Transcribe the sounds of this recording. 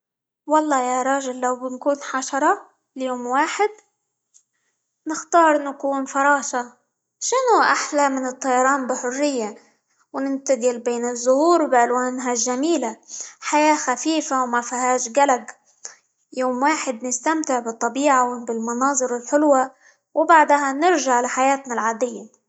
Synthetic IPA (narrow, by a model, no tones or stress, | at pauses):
wɑlˤːɑːjaɾˤɑːʒɪlːawbɪnkuːnħaʃɑɾˤɑ | ljoːmwaːħɪd̪̚ | nɪxt̪ɑːɾˤnakuːnfɑɾˤɑːʃa | ʃɪnʊʔaħlamɪnɨt̪ˤːɑjɑɾˤɑːnbɪħʊrːɪjːa | wnɪnt̪ad̪ɪlbeːnɪzːʊhuːɾbɪʔalwaːnɦaʒːamiːlaħajaːxafiːfawmafihaːʃɡalaɡ | joːmwaːħɪd̪nɪst̪amt̪ɪʕbɨt̪ˤːɑbiːʕawɪbɪlmɑnɑːzˤɨɾɪlħʊlwa | wbaʕd̪hanɪɾʒaʕlaħajaːt̪nalʕaːd̪ɪjːa